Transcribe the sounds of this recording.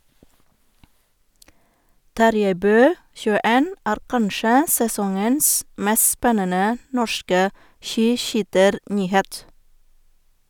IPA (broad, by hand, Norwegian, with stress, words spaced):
ˈtɑɾjæɪ ˈbøː çʉːəˈeːn ˈæːɾ ˈkɑnʃə sɛˈsɔŋəns ˈmɛs ˈspɛnənə ˈnɔʃkə ˈʃiːˌʃyːtəɾˌnyːˌheːt